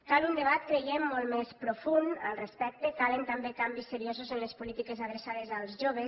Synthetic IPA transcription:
kalund̪eβ̞at̪kɾejemːɔlˠmespɾufunə̰lˠrespɛk̚t̪ekalent̪ambekambisːeɾiozuzenlespulit̪ikezaðɾesað̞ezəlˠzʒoβ̞es

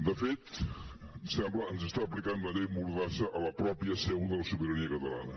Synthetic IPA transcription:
d̪əfet̪ | sɛmbləənzəst̪aəːplikanləʎejmuɾðasəʔələpɾɔpiəseunðələsuβiɾəniəkət̪əla̰nə

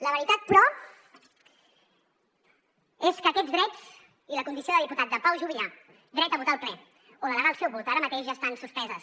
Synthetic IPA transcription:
ləβəɾit̪at̪̚pɾɔ | eskəːkɛdd͡zðd̪ɾɛt͡s | iləkund̪isioðəlˠðiput̪at̪̚d̪əpawʒuβia | d̪ɾɛt̪əβut̪aːlˠplɛ | olələɣalˠsɛwβɔlt̪aɾəmət̪eʃʒaːst̪ansuspɛzəs

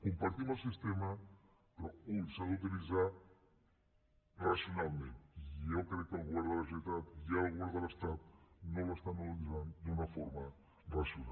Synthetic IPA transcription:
kumpaɾt̪imusist̪emɐ | pɾɔusaðut̪̬ilizaɾ | rasjonalˠmẽnt̪iewkɾejkalɣwaɾðɐlɐʒet̪at̪ialɣwaɾðalɐst̪at̪nõw̃lest̪anut̪ilizand̪unɐfɔɾmɐ | rasjuna

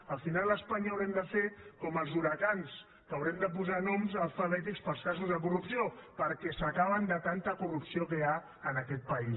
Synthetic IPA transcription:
əlˠfinalˠləspaɲaəwɾɛmd̪əfekɔməlˠzuɾəkans | kəwɾɛmd̪əp̬uzanɔmzəlˠfəβɛt̪̬ikspəlˠskas̬uzðək̬urupsiopəɾkɛsəkaβ̞ənd̪ət̪ant̪əkurupsiokəa | ənəkɛt̪̚pəi

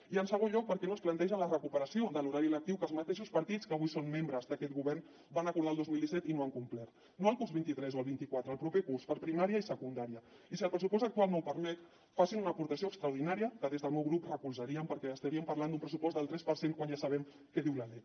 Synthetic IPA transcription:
iənsəɣ̞onʎɔk̚pəɾkɛnosplənt̪ɛʒənlərəkupəɾəsiod̪əluɾaɾiələk̚t̪iwkəlˠzmət̪eʃ̬uspɐɾt̪it͡skəːβujsommembɾəzd̪əkɛt̪̚ɣuβɛrn | banəkuɾðaːlˠd̪ozmilˠd̪isɛt̪inoəŋkumplɛɾ | noəlˠkuzβint̪it̪ɾɛzoəlˠβint̪ikwat̪ɾəːlˠpɾupekuɾspəɾpɾimaɾiəisəkund̪aɾiəisiəlˠpɾəsupɔst̪ək̚t̪ualˠnowpəɾmɛt̪ | fasinunəːpuɾt̪əsioəkst̪ɾawɾð̞inaɾiəkəðezðəlˠmewɣɾuprəkulˠzəɾiəmpəɾkɛəst̪aɾiəmpɐrland̪umpɾəsupɔst̪d̪əlˠt̪ɾɛspəɾseŋkwanʒasəβ̞ɛm | kɛðiwləle

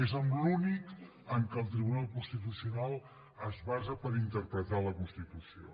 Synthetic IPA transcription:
ezəmlunik | əŋkəlˠt̪ɾiβunalˠkunst̪it̪̬usiunalˠ | əzβazəpəɾint̪əɾpɾət̪aləkunst̪it̪usio̰

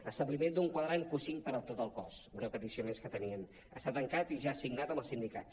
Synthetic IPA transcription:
əst̪əβlimend̪uŋkwəðɾaŋkusiŋpəɾət̪ot̪əlˠkɔsbɾɛwpət̪isionẽnskət̪əniən | ə̰st̪at̪əŋkat̪iʒasiɡnat̪əməlˠsind̪ika̰t̪

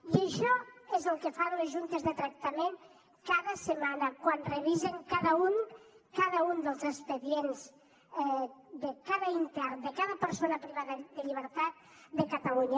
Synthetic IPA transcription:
jəʃɔezəlˠkefanlezʒunt̪ezðət̪ɾak̚t̪ameŋ | kaðasemanakwanreβizeŋkaðaunkaðaund̪əlˠzespeðjenz | d̪ekaðaint̪ɛɾd̪əkaðapəɾsonapɾiβaðəd̪əʎiβ̞əɾt̪at̪̚d̪əkat̪aluɲa

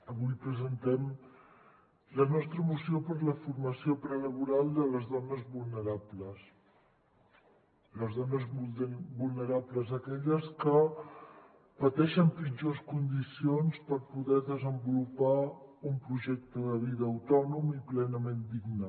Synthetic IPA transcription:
əβujpɾəzənt̪ɛm | lənɔst̪ɾəmusiopəɾləfurməsiopɾələβuɾalˠd̪ələzðɔnəzβulˠnəɾapləs | ləzðɔnəzbulˠnəɾapləzəkɛʎəskə | pət̪ɛʃəmpid͡ʒoskund̪isionspəɾpuðɛðəzəmbulupaumpɾuʒɛk̚t̪əðəβ̞iðəːwt̪ɔnumiplɛnəmend̪iɡnə

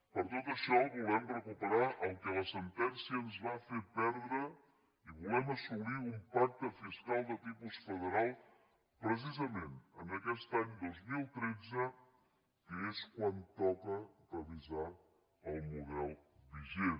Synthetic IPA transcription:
pəɾt̪ot̪əʃɔβulɛmrəkupəɾaʔəlˠkələsənt̪ɛnsiəːnzβafepɛɾðɾə | iβulɛməsuβliumpak̚t̪əfiskalˠd̪ət̪ipusfəð̞əɾalˠ | pɾəs̬izəmenənəkɛst̪aɲd̪ozmilˠt̪ɾedd͡zə | kəeskwant̪ɔkəd̪əβiza | əlˠmuðɛlˠbiʒe

